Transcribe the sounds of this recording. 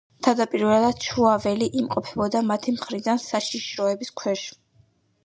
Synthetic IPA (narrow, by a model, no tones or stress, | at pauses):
t̪ʰad̪apʼiɾvɛalad̪t͡ʃʰuavɛliʔimqʼɔpʰɛbɔd̪amat̪ʰimχɾid̪ansaʃiʃɾɔɛbiskʰwɛʃ